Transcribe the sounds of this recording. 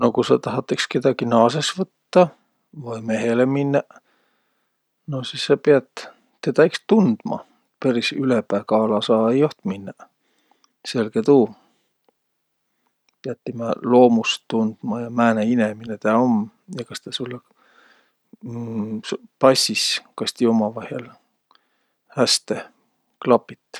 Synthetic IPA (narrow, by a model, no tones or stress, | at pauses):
nokusɑt̪ɑɦɑt̪ːˑekske̞d̪ɑɡ̥inɑːsesvɤt̪ːɑ | vɑjme̞ɦeleminːɑ | nosisːɑpiɑd̪̥ː | et̪ɑjkst̪und̪̥mɑ̰ | pæɾisylepæːkɑːlɑsɑːejoht̪minːɑ | se̞lɡ̥et̪uː | peɑt̪ːimɑlo̞ːmust̪und̪̥mɑjɑmæːneineminet̪æːom | jɑkɑst̪ɑsulːe | spɑsʲiskɑst̪iomɑvɑhjɑl | hæst̪e | klɑpit̪ːˑ